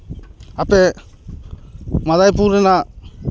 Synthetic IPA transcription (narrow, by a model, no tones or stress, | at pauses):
ape | madajpuɾɛna